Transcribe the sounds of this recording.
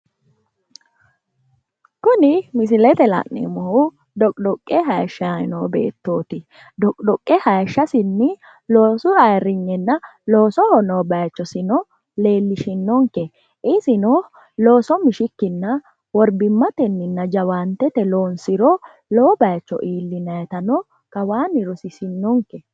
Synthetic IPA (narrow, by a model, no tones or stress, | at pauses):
kʊnɪmɪsɪlɛt̪ɛlɐ̰ʔnḛmɔhʊ | d̪ɔkʼd̪ɔkʼːɛɦɐjʃːɐnoːbḛːt̪ːoːt̪ɪ | d̪ɔkʼd̪ɔkʼːɛhɐjʃːɐsɪnːɪ | loːsʊɐjɾɪɲːɛnːɐloːsɔhɔnoːbɐjt͡ʃːɔsɪnɔ | le̞ːlːɪʃɪnːɔŋkɛ | ɪsɪnɔ | lo̞ːsɔmɪʃɪkːɪnːɐ | wɔɾbɪmːɐt̪ɛnːɪnːɐd͡ʒɐwaːnt̪ːɛt̪ɛloːnsɪɾɔ | lobɐjt͡ʃːɔ̰ʔiːlːɪnɐjt̪ɐnɔ | kɐwaːnɪɾɔsɪsɪnːɔŋkɛ